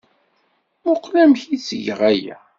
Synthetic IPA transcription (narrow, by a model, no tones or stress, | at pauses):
mʊqːlæmçit͡sːəʝʁæjæ̰